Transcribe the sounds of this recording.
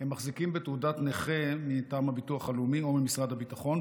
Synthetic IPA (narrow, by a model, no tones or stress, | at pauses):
hemːaχzikimbetudatneχemitaːmhabituaχalumio̞mimisʁad̪habitaχo̞n